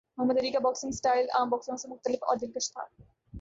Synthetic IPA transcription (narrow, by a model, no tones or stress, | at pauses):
mɐɦɐmːəd̪eɾikabɔksiŋsʈajla̰ːmbɔksŋasemʊk̚t̪əlefɔ̰d̪inkeʃt̪ʰa̰